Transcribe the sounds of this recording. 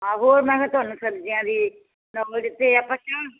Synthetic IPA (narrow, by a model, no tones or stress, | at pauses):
ɦãːɦoːɾmɛ̃ːkʰɛt̪ʊaːnũːsəɾd͡ʒɪjãːd̪iː | nɔːld̪ɪt̪ːeapãːʃãː